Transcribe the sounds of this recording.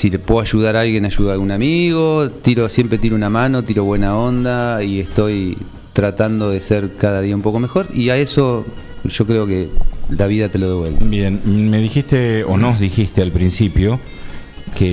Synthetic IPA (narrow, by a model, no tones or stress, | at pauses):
silepweɣaʒuð̞aɾalɣjenaʒuðalɣunamiɣo̞t̪iɾo̞sje̞mpɾe̞t̪iɾounamano̞t̪iɾo̞βwe̞nao̞nd̪aie̞st̪o̞j | t̪ɾat̪and̪o̞ð̞e̞seɾkaðaðiaũmpo̞ko̞me̞xo̞ɾiaeso̞ | ʒ̥o̞kɾeo̞kelaβ̞iðat̪e̞lo̞ðeβwe̞lβebje̞nmeðixist̪eo̰nozðixist̪ealpɾinsipjo | ke